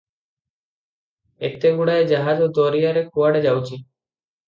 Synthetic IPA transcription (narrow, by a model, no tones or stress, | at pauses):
ḛt̪eɡuɽaed͡ʒaɦad͡ʒod̪oɾijaɾekʰuʋaɽed͡ʒawt͡ʃʰi